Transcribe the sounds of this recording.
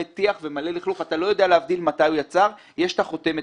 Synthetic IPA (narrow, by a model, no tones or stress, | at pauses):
et̪iaχve̞male̞liχluχat̪alo̞jo̞d̪ealeavd̪ilmatajujat͡saʁ | jeʃtaχo̞t̪e̞me